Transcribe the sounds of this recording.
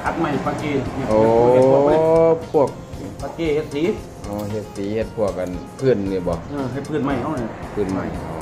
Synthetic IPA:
kʰa˧˥t̪̚ma˧˩jpaː˧keː˧˩˧ɲi˧˨ʔoː˨˩˧pʰu˧˥˩ək̚paː˧keː˧˩he˧t̪̚siː˨˦ | ʔɔː˧˩ɦe˧t̪̚siː˨˦he˧t̪̚pʰu˧˩ək̚ʔa˧˨npʰɯ˧˩˨nni˧˩bɔ˧˦ʔɤː˧˩ɦa˧˩pʰɯː˧˩˨nma˧˩ja˧˩˨n˧˩˧pʰɯː˧˩˨nma̰˧˩jɔ̰˧˩

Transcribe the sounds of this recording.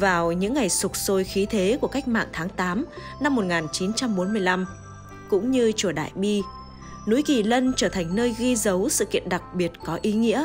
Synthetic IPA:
vaː˨˩wɲɨ̰˧˥ŋːa˨˩jsʊ˨˩k͡p̚so˧jxi˨˦t̪ʰe˨˦ku˧˩əka˦˥jk̟̚ma̰ː˧˨ŋt̪ʰaː˨˦ŋt̪aː˨˦m | na˧mːo˨˩t̚ŋaː˨˩nt͡ɕi˨˦nt͡ɕa˧mɓo˨˦nmɨ˧əjla˧m | kʊ̰˧˥ŋ͡mɲɨ˧t͡ɕu˧˩əɗa̰ː˧˨jɓi˧ | nu˨˦jki˨˩lə˧nt͡ɕəː˧˩t̪ʰa˨˩jŋ̟nəː˧jɣi˧zə˨˦wsɨ̰˧˨kḭ˧˨ənɗa˨˩k̚ɓi˨˩ət̚kɔ˨˦ʔi˨˦ŋḭ˧˥ə

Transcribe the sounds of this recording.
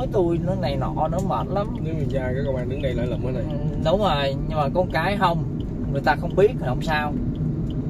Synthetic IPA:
jt̪u˧əjnɨ˨˥k̚na˨˩jnɔ̰˧˨˩nɔ˨˦mə̰ː˨˩t̚la˨˦mkɨ˧˨˦ŋɨ˨˩zaː˧kaː˨˦ko˧wɓaː˧˩nɗi˨˦ɡa˧jlə̰ː˧˨˦jlə̰ː˨˩mʔəː˨˦na˨˩jɗə˨˦ŋ͡mzəː˨˩jɲɨ˧ŋmaː˨˩kɔ˨˧nkaː˨˦jɦə˧wŋ͡m | ŋɨ˨˩əjt̪aː˧xə˧wŋ͡mɓi˦˥ət̚hwŋ͡msaː˧w

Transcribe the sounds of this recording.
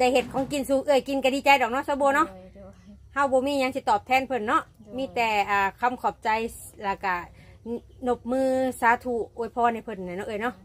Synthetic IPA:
t͡ɕa˧˩he˧t̪̚kʰɔː˧˦ŋki˧nsuː˧ʔɯ˧˩˨jki˧˨nka˧diː˧˨t͡ɕa˧jdɔ˨k̚nɔ˧˨sa˧boː˧nɔ˧˥˨ʔ | ha˧˥˩wbɔː˧˦miː˧˥˨ɲa˧˦ŋsi˧˦t̪ɔː˨˩p̚t̪ʰɛː˧˥˨npʰɤ˧˨nːɔ˧˥ʔmiː˧˥˨t̪ɛː˨˧˩ʔaː˨˩kʰa˧˨mkʰɔː˨˩p̚t͡ɕa˧j | laː˧˩ka˧˩ | no˧p̚mɯː˧saː˨˧˦t̪ʰu˧˩ʔoː˧˩˨jpʰɔː˧˨na˧˩jpʰɤ˧˨nːa˧˩jnɔ˧ʔɯ˧˨jnɔ˧˥ʔ

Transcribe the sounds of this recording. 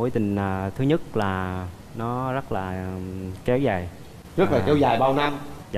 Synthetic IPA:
o˨˦jt̪ï˨˩ŋ̟ʔaː˨˩t̪ʰɨ˨˦ɲə˦˥t̚laː˨˩ | nɔ˨˦zə˦˥t̚laː˨˩kɛ˨˦wzaː˨˩j | t͡ɕɨ˦˥k̚vaː˨˩kɛ˨˦wzaː˨˩jɓaː˧wna˧mzaː˨

